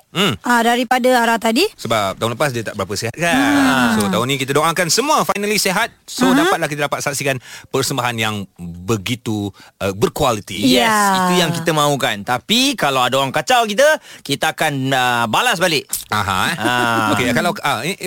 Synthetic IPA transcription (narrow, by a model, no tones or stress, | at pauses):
m̩adaɾipadəaɾat̪adisəbap̚t̪aɦʊ̃nləpas̬diat̪a̰ʔbəɾapəseɦat̪̚kaəsot̪aɦʊnĩk̬it̪ədoʔãkansəmũafajnəliseɦat̪̚sodapat̪̚lahk̬it̪aədapat̪saksikanpərsəmbaɦanjaŋbəɡit̪uəbərkwalit̪ijɛsit̪ujaŋkit̪əmãukant̪apikalawadaoɾaŋkat͡ʃawkit̪əkit̪əakanəbalas̬balɪʔaɦã̰akekalawa